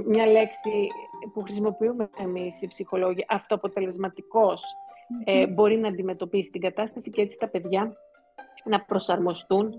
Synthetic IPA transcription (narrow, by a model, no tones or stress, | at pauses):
mɲɐle̞ksipuxɾisimo̞piumeemisipsixo̞lo̞ʝiɐʔɐft̪oɐpo̞t̪e̞le̞zmɐt̪iko̞sebo̞ɾinɐːnd̪ime̞t̪o̞pisi̥t̪iŋɡɐt̪ɐst̪ɐsicee̞t͡si̥t̪ɐpe̞ðʝɐ | nɐpɾo̞sɐɾmo̞st̪un